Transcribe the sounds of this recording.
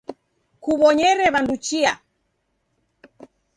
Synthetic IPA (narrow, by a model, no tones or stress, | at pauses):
kuβɔɲɛɾɛβandut͡ʃia